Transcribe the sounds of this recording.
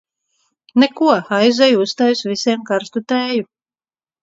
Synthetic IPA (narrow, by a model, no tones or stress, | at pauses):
nɛkuɔajzɛjust̪aːjusvisʲiɛmkaɾst̪ut̪ɛːju